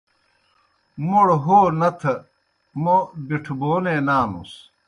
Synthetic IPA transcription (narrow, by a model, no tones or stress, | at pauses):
moɽɦoːnɐt̪ʰɐ | mobiʈʰboːnenaːnṵs